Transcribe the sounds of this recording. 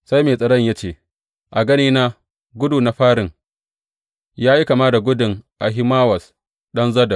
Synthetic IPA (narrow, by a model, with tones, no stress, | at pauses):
sa˦jmeː˨sʼɐ˨ɽɐ˦ɲjaː˦t͡ʃeː˦˨ | ʔa˨ɡɐ˦niː˦naː˦ | ɡʷʊ˦duː˨na˨˦ɸaː˦ɽɪ˨ŋ | jaː˦ji˦ka˨maː˦da˨ɡʷʊ˦dɪ˨ŋʔa˨ɦɪ˦maː˦wɐ˨s | ɗɐ˦nzɐ˦da˨